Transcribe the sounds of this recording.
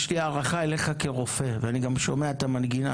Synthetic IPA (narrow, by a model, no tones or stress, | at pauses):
ʃliaːʁaχae̞lejχake̞ʁo̞fe̞veaniɡamʃo̞meat̪amanɡina